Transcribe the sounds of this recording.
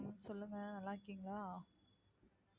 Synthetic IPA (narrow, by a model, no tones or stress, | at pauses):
msɔlːɯŋɡɐɛlːãːɾɪkːiːŋɡɐɭaː